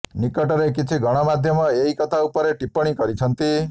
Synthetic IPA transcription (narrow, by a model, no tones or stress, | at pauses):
nikɔʈɔɾek̬it͡ʃʰiɡɔɽ̃ɔmad̪ʱjɔmɔeɦikɔt̪ʰaupɔɾeʈipɔɽ̃ikɔɾit͡ʃʰɔnt̪i